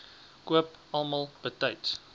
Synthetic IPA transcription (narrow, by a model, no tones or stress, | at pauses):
kuəpʔɐlˠmɑlˠb̥ətɐjts